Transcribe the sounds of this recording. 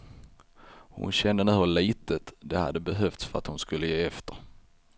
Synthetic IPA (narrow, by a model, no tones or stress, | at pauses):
hʊ̰nɕɛnd̪ənʉhəliːt̪ət̪d̪ɛha̰d̪ːəbɛɦœft̪sfœɾat̪hʊnskɵlːəjeːɛft̪əɾ